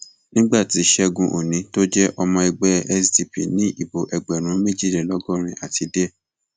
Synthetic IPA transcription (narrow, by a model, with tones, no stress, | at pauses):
nĩ˦ɡ͡ba˦˨ti˨˦ʃɛ˦˧ɡũ˧ʔo˨nĩ˨˦to˦d͡ʒɛ˦ʔɔ˧mɔ̃˧i˧ɡ͡bɛ˦ɛ˦sdi˧pḭ˨nĩ˦ʔi˦˨bo˨ʔɛ˨ɡ͡bɛ˨ɾ̃ũ˨˦mẽ˦˨d͡ʒi˦˨ɾe˨lɔ˦ɡɔ˦˨ɾ̃ĩ˧ʔa˨ti˨˧de˦